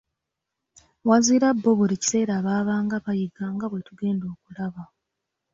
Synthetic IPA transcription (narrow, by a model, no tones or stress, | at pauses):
waziːɾabːoβuɾici̥se̞ːɾaːβaːβaːŋɡaβajiɡaːŋɡaβwe̞tuɡe̞ːndo̞ːkulaβa